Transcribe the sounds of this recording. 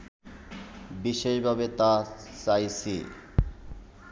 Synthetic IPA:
biʃeʃbʱabet̪at͡ɕajsʰḭ

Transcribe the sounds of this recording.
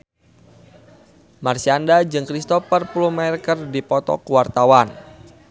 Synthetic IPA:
marsiandad͡ʒɨŋkɾist̪ɔfərpulumarkərdipɔt̪ɔ̰kuwart̪awan

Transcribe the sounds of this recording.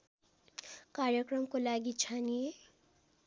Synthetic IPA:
kaɾjʌkrʌmkolaɡit͡sʰanie

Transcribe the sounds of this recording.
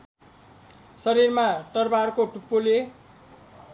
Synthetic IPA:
sʌɾirmaʈʌrbarkoʈupːole

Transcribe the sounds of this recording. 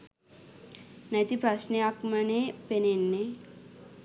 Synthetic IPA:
nɐjt̪ipɾɐʃniakmɐnepenenːe

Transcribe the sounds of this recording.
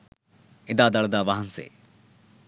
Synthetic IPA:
ed̪aːd̪ɐɭɐd̪aːʋaɦɐnsḛː

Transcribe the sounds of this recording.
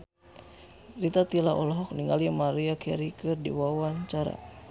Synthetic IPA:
rit̪at̪ilaɔ̰lɔɦɔk̚niŋɡalimaɾiakɛɾikɨrdḭwawaɲt͡ʃaɾa̰

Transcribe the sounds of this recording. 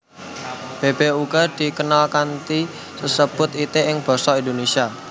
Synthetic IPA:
b̥e̤b̥euɡ̥ɔ̤d̪̥i̤kənalkant̪i | səsəb̥ʊ̤t̪it̪eɪŋb̥ɔ̤sɔind̪onesia

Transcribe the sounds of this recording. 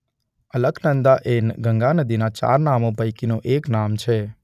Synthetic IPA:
ələɡnənd̪aʔenɡʱəŋɡanəd̪inat͡ʃa̰ɾnamobʱəjkinõʔeknamt͡ʃʰe

